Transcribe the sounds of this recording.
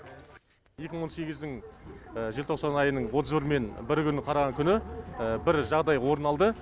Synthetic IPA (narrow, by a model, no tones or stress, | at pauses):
jekʲɪməɴwonse̞ɡʲɪzd̪ɪŋəʒelʲɪt̪oqsɑnɑjənəɴwot̪əzbɪɾme̞nbɪɾkʲʰʏnɪqʰɑɾɑʁɑŋkʲʰʏnɪəbɪɾʒɑʁd̪ɑjwo̞ɾənɑlˠd̪ə